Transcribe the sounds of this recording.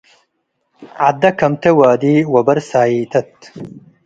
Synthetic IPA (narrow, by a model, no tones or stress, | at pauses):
ʕad̪ɐkɐmt̪ewaːd̪iːwɐbɐɾsaːiːt̪ʰɐt̪